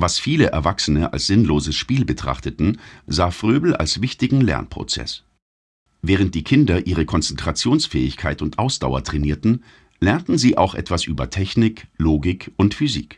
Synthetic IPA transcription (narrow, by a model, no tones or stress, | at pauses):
vasfiːləʔɛ̰ɐvaksənəʔa̰lsz̥ɪnloːzəsʃpiːlbətʁ̥a̰χtətn̩zaːfʁ̥øːbl̩ʔa̰lsv̥ɪçtɪɡŋ̩lɛ̰ɐnpʁ̥o̰t͡sɛ̰s | vɛːʁ̞ənt̚d̥iːkʰɪndɐʔiːʁ̞əkʰɔnt͡sɛntʁ̥at͡sjoːnsfɛːɪçkʰaɪtʊntʔaʊsd̥a̰ʊɐ̰tʁ̥ɛniːɐtn̩ | lɛɐntn̩ziːʔa̰ʊxʔɛ̰tv̥asʔy̰ːbɐtʰɛçnɪkloːɡɪkʊntfyzḭːk